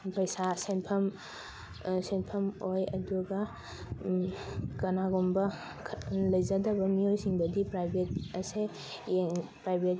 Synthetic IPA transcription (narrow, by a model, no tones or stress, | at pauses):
pɐjsasenpʰɐm | senpʰɐmojɐduɡa | kɐnaɡombɐ | lɐjzadɐbɐmiojsiŋbɐdipɾajbʱet̚ɐse | eŋpɾajbʱet